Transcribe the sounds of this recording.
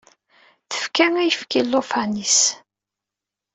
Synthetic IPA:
θə̥fkæŋæjəfkilːofænis

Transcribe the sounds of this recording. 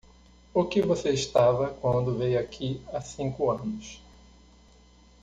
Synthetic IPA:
ʊkɪvoseɪʃt̪avɐkwɐ̃nd̪ʊvejakʰiasĩŋkʊɐ̃nʊs

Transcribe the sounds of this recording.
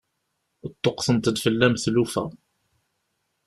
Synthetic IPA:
ət̪ˤːoqθənt̪əd̪fəlːæmθlufæ̰

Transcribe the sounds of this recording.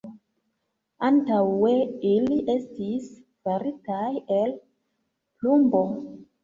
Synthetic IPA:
antawe̞iliʔe̞stis | faɾitajel | plumbo̞

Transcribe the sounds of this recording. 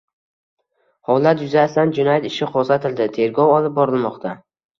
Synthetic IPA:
hɒlat̪jʊzast̪and͡ʒʊnajt̪ɪʃɪqʰosat̪ʰɪld̪ɪt̪ʰe̞ɾɡɒwɒlɪp̚bɒɾɪlˠmɒqt̪ʰa

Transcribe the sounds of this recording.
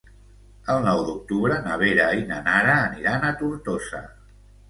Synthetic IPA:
əlˠnɔwd̪uk̚t̪uβɾənəβ̞eɾainənaɾəːniɾanət̪uɾt̪osə̰

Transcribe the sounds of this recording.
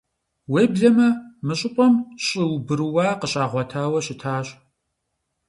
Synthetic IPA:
weːbɮɐmɐmɨɕʼɪpʷʼɔmɕʼɪwbɨrɨwaːqəɕʼaːʁʷɔtʰaːwɐɕɪtʰaːɕ

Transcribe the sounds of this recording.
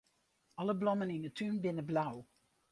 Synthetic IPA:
ɑləblɔmənɪnətʰynbɪnəblaw

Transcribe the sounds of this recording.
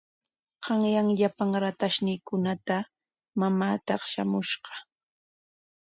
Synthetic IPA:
ɢɑŋjaŋʎapaŋɾat̪aʃnɪːkʊnat̪a | mamaːt̪ɑχʃa̰mʊʃɢɑ̥

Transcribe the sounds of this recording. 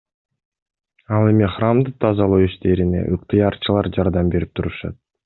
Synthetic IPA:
ɑlˠe̞miχramd̪ɯt̪ʰɑzɑlˠowiʃt̪e̞ɾine̞̰ʔɯq̚t̪ɨjɑɾt͡ʃʰɯlˠɑɾd͡ʒɑɾd̪ɑmbe̞ɾip̚t̪ʰuɾuʃɑ̰t̪̚

